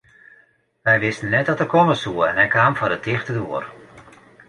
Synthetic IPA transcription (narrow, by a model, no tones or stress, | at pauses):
ʋɛjʋɪstənːɛt̚dɔtəkʰɔməsuəɛnɦɛjkʰaːmfɔdətɪxtədoər